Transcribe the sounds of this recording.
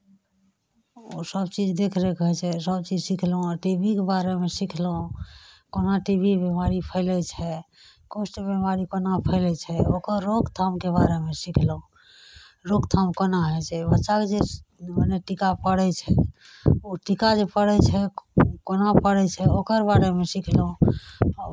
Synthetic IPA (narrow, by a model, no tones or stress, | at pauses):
o̰səbt͡ʃid͡ʒd̪ekʰɾɛkəɦɛt͡ʃʰɛsəb̚t͡ʃid͡ʒsikʰlũʈibʱikebaɾemesikʰlɦũkonaʈibʱibemaɾipʰəɪlɛt͡ʃʰɛ | kosʈbemaɾikonapʰəɪlɛt͡ʃʰɛokəɾːoɡt̪ʰamkebaɾemesikʰlũ | ɾoɡt̪ʰamkonaɦɛt͡ʃʰɛbətːʃaked͡ʒeməneʈikapəɽɛt͡ʃʰɛ | oʈikad͡ʒepəɽɛt͡ʃʰɛkonapəɽɛt͡ʃʰɛokəɾbaɾemesikʰlũ